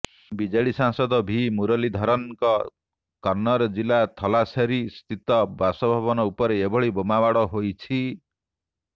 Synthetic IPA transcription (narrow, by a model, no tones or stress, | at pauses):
bid͡ʒaɭisaŋsɔd̪ɔbʱimuɾɔlid̪ʱɔɾɔnkɔ | kɔɾnɔɾd͡ʒilat̪ʰɔlaseɾist̪ʰit̪ɔbasɔbʱaβɔnɔupɔɾeebɔɭibomabaɽɔɦojt͡ʃʰi